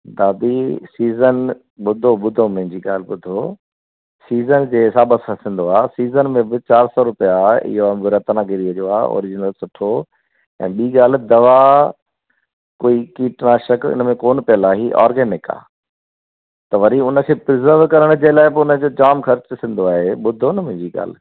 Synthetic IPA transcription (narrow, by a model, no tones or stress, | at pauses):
d̪aːd̪isiːzən | ɓʊd̪ʱoɓʊd̪ʱomɐɦɪ̃ɲd͡ʑiɡa̰ːl̤ɪ̆ɓʊd̪ʱoː | siːzənd͡ʑeːsaːɓəsasɪ̃n̆d̪oaːsiːzənmẽbɪt͡ɕaːɾsɔɾʊpijaɪ̰ɦoãbɪɾɐt̪nãːɡeɾiəd͡ʑoːa̰ːo̰ːɾɪd͡ʑɪnəlsʊʈʰo | ɛ̰̃ːɓiːɡaːl̤ɪ̆d̪ɐʋa | koːikiːʈñãʃɐkɪ̰nəmẽkoːnpijəlaːɦiʔɔ̰ːɾɡeːnɪka̰ː | t̪ɐʋɐɾiʊnə̆kʰeːpɾɪzəɾʋkɐɾəɽ̃d͡ʑelaːɪbɪʊnə̆d͡ʑoːd͡ʑaːmxɐɾt͡ɕsɪ̃n̆d̪oaːɦeɓʊd̪ʱonɐmʊ̃ɦɪ̃ɲd͡ʑiɠa̰ːl̤ɪ̆